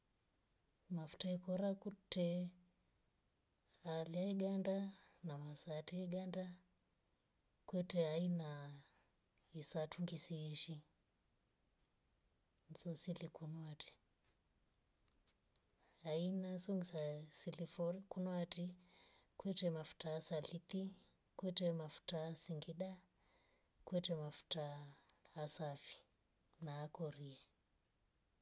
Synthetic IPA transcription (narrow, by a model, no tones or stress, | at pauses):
mafu̥taɛkɔɾakutɛ | aliaiɡandanamasatɛiɡanda | kwɛtɛaina | isatʰuŋɡisiɛʃi | nzɔsilikunwatʰi̥ | ainazoŋɡisasiliforikunwatikwɛtɛmafu̥taːsaɮit̪i | kwɛtemafu̥taːsiŋɡiɗa | kwetemafu̥taː | safi̥ | naːkoriɛ